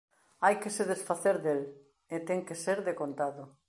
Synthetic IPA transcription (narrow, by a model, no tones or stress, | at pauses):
ajkeseðesfaθeɾðel | et̪ɛŋkeseɾðekont̪aðʊ